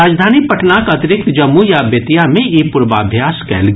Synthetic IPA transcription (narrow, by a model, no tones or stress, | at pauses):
aːd͡ʒd̪ʱaːnipɐʈʰnakɐt̪ɪɾɪk̚t̪d͡ʒɐmːujaːbjet̪ijamẽeːpʊɾba̰ːbʱjaːskɛ̰ːlɡ